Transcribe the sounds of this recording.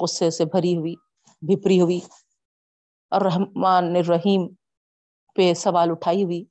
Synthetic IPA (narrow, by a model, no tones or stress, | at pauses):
qʊsːesebʱɐɾiɦʊiː | bʱɪpɾiɦʊiː | ɔːɾːɐɦmaːnːeɾɐɦiːm | pesɐʋaːlʊʈʰaːiɦʊiː